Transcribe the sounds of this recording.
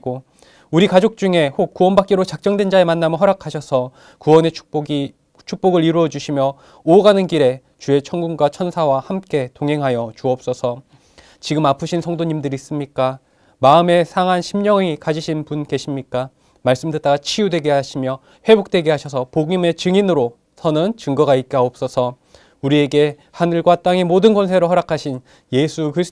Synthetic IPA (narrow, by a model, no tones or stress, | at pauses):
ɡo | uɾikad͡ʑok̚t͡ɕ͈uŋe̞hok̚k͈ːuʌnbak͈eɾot͡ɕak̚t͡ɕ͈ʌŋdwe̞nd͡ʑae̞manːamɯɦʌɾakʰaɕʰʌsʰʌ | kuʌne | t͡ɕʰuk̚p͈oɡɯɾiɾuʌd͡ʑuɕʰimjʌ | oɡanɯnkiɾe̞ | t͡ɕue̞t͡ɕʰʌŋɡunɡwat͡ɕʰʌnsʰawahamk͈e̞toŋɦe̞ŋɦajʌt͡ɕuʌp̚s͈ʌsʰʌ | t͡ɕiɡɯmapʰɯɕʰinsʰʌŋdoɲimdɯɾis͈ɯmɲik͈a | maɯme̞sʰaŋɦanɕʰimɲʌŋikad͡ʑiɕʰinpunke̞ɕʰimɲik͈a | maɭs͈ɯmdɯt͈aɡat͡ɕʰijudwe̞ɡeɦaɕʰimjʌ | we̞bok̚t͈we̞ɡeɦaɕʰʌs̬ʰʌpoɡime̞t͡ɕɯŋinɯɾo | sʰʌnɯnt͡ɕɯŋɡʌɡait̚k͈eaop̚s͈ʌsʰʌ | uɾie̞ɡe̞ | hanɯɭɡwat͈aŋemodɯnkʌns̬ʰe̞ɾoɦʌɾakʰaɕʰin | je̞sʰukɯɾisʰ